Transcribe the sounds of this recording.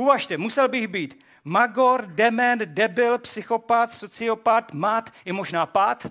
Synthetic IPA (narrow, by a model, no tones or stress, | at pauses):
uvaʃt̪ɛmusɛlbɪɣbiːt̪ | maɡo̞ɾdɛmɛndɛbɪlpsɪxo̞pat̪sot͡sɪo̞pat̪mat̪ɪmo̞ʒnaːpat̪